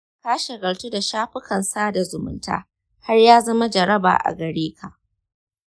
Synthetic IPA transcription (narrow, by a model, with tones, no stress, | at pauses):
kaː˦ʃɪ˨ɡɐ˨ɽtu˦da˨ʃaː˦ɸɪ˦kɐ˨nsaː˦da˨zʊ˨mʊ̰˦nta̰ː˦ | ha˦rjaː˦zɐ˦ma˦d͡ʒɐ˨ɾɐ˦ba̰ː˨ʔa̰˨ɡɐ˨ɽeː˦kʰa˨ʔ